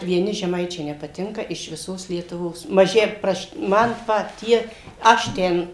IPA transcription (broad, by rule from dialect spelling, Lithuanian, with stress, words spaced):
ʋʲiɛˈnʲɪ ʒʲɛˈmɐɪt͡ʃʲɛɪ nʲɛpɐˈtʲɪŋkɐ ɪʃ ʋʲɪˈsoːs lʲiɛtʊˈʋoːs mɐˈʒʲɪ ˈprɐʃ ˈmɐn ˈpɐt ˈtʲiɛ ˈɐʃ tʲɛn